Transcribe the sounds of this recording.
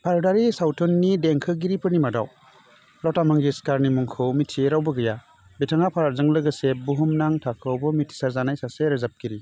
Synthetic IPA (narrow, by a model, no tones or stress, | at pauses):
pʰaɾdaɾisawtʰɔnːideŋkʰɯɡiɾipʰɯɾnimada̰w | lɔwtamaŋɡeskaɾnimuŋkʰɯwmitʰiɾawbɯɡɯja | betʰaŋapʰazɯŋlɯɡɯsebuɦumnaŋtʰakʰɯwbɯmitʰi̥saɾzanajsaseɾɯzap̚ɡiɾi